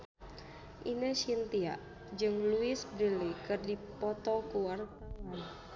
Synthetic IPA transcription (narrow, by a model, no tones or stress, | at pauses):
ʔinəʃint̪ia̰ʔ | d͡ʒɨŋluɪsbɾəlikɨrdipɔt̪ɔkuarpan